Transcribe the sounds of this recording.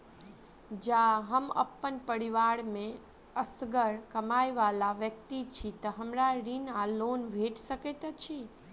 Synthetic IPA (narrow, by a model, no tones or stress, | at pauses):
d͡ʒaɦəmə̰pːənpəɽiʋaɽmẽ | əsɡəɾkəmajʋalaʋjək̚t̪it͡ʃʰit̪əɦəmɾaɾinalonbʱeʈsəket̪t͡ʃʰi